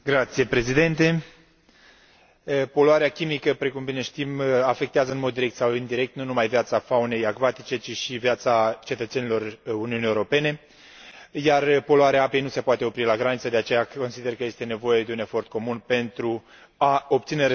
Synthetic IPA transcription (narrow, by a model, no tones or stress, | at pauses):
ɡɾat̪sije̞pɾe̞zid̪e̞nt̪e̞ | po̞loaɾeakʲimikəpɾe̞kumbine̞ʃt̪imafe̞k̚t̪eazəɨnmo̞d̪ːiɾek̚t̪sawind̪iɾe̞k̚t̪nunumajvjat̪safaune̞jaɡvat̪it͡ʃe̞t͡ʃiʃivjat̪sat͡ʃe̞t̪ət̪se̞nilo̞runiuniːewuɾo̞pe̞ne̞ | jarpo̞loaɾeaape̞jnuse̞poat̪e̞o̞pɾilaɡɾanit̪səd̪e̞at͡ʃe̞jako̞nsid̪erkəje̞st̪e̞ne̞vo̞je̞d̪e̞une̞fo̞rt̪̚ko̞munpe̞nt̪ɾu | ao̞pt̪sine̞